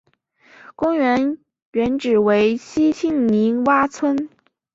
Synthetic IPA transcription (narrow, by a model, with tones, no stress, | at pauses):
kʊ˥ŋɥɛ˧˥n | ɥɛ˧˥nʈ͡ʂɻ̩˨˩we˧˥ɪɕi˥t͡ɕʰi˥˩ŋli˧˥ŋwa˥t͡sʰwə˥n